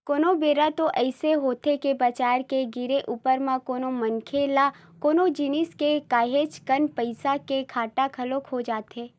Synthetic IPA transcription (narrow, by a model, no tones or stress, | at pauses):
koːnobeːɾat̪oʔɛɪseɦoːt̪ekebɐt͡ʃaːɾkeɡɪɾeʔuːpəɾmãkoːnomɐnkʰeːla | koːnod͡ʒinɪskekaːɦeːt͡ʃkənpəɪsakekʰaːʈakʰɐlokɦod͡ʒaːt̪ɦeː